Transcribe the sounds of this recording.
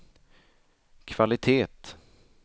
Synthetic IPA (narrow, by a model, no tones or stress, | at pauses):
kʰv̥alɪt̪ʰeːt̪